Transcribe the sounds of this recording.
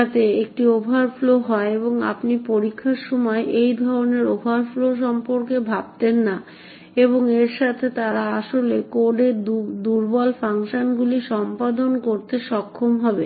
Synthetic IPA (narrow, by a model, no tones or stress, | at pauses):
at̪ʰeek̚ʈiobʱaɾfloɦɔeeboŋa̰pnipoɾikʰːaɾʃɔmɔeʔejd̪ʱɔɾoneɾobʱaɾfloʃ̬ɔmpoɾkebʱab̚t̪enːa | eboŋeɾʃat̪ʰet̪aɾaaʃolekoɖeɾd̪uɾbɔlfaŋʃonɡuliʃɔmpad̪onkoɾt̪eʃɔkʰːomɦɔbe